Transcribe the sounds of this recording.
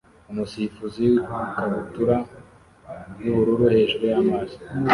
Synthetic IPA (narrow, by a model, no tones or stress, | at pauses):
umusifuziikaβutuɾa | juβuɾuɾuhe̞ʒuɾejamazi̥